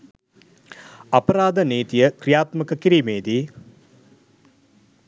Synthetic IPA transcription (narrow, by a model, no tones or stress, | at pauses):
ɐpɐɾaːd̪əneːt̪ijəkɾijaːt̪məkəkiɾiːmeːd̪i